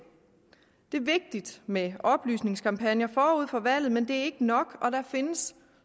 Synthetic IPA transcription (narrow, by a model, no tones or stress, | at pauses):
d̥e̝ɐʋe̝ɡ̥̚d̥id̥meɒ̽b̥ly̰ːsne̝ŋskʰɑ̈mpʰænjɐfɒːuð̰ˠfɒ̽ʋæl̰ð̞̩ˠmend̥e̝æɐe̝ɡ̥ənɒ̽ɡ̥ɒ̽d̥ɑfe̝nəs